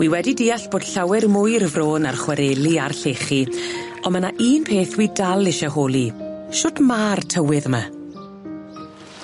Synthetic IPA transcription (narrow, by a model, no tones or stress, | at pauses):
wiːwɛdidiːaɬb̥oːd̥ɬawɛrmʊjrəvroːnarχwɛɾeːlˠiarɬeχi | ɔmanaʔiːnpʰeːθwiːdalˠɪʃahoːlˠiʃoːdmaːrtʰəwɪðəma